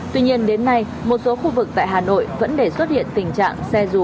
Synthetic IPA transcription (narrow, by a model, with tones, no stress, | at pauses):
t̪wi˧ɲi˧ənɗe˨˦nːa˧j | mo˨˩t̚so˨˦xu˧vɨ˨˩k̚t̪a̰ː˧˨jɦaː˨˩no̰˧˨jvə̰˧˥nɗe˧˩swə˦˥t̚hḭ˧˨ənt̪ï˨˩ŋ̟t͡ɕa̰ː˧˨ŋsɛ˧zu˨˩